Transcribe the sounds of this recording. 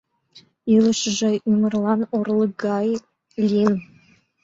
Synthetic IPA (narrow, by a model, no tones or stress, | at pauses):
iləʃʒĕimə̆rlˠɑnorlˠɤɡɑj | lʲin